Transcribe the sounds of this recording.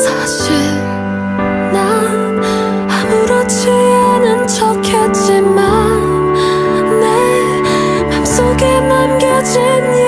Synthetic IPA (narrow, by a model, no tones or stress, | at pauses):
sʰa | ɕiɭ | nan | amuɾot͡ɕʰijanɯnt͡ɕʰʌkʰʌt̚t͡ɕ͈imann | e | nams͈oɡemanɡʌd͡ʑi | ni